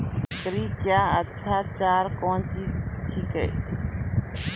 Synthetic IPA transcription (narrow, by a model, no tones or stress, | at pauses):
kɾikjaːt͡ʃʰat͡ʃaɾkõntit͡ʃʰikḛk